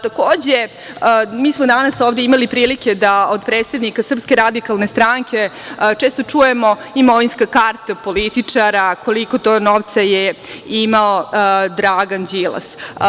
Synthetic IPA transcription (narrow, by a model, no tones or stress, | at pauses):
t̪akoːd͡ʑe | miːsmod̪anasoːʋd̪eimalipɾiːlikʲe̞d̪aod̪pɾeːt̪sednikasr̩pskeɾad̪ikalˠnest̪ɾaŋkʰʲe̞t͡ʃeːst̪o̞t͡ʂuːjemo̞imoʋinskakaɾt̪apo̞lit̪it͡ʂaɾakʰo̞liko̞t̪oːnoʋt̪saje | imaod̪ɾaɡand͡ʑilˠa̰s